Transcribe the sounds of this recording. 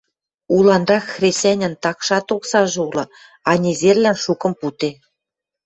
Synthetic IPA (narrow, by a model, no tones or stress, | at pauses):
ulɑnrɑxxrʲesʲænʲɘ̆nt̪ɑkʃɑt̪oksɑʒɤulɤ̆ | ɑnʲezerlænʃukɤ̆mput̪e